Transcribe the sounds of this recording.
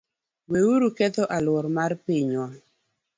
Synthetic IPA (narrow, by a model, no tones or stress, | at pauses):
wewuɾukɛt̪ɔʔalwɔɾmaɾpiɲwa